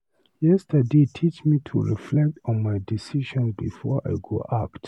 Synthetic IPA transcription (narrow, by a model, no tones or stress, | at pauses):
jɛstʰədetʰit͡ʃmitʰṵɹḭflɛk̚tɔ̃nmajdisiʃɔ̃nbḭfɔʔa̰jɡoʔakt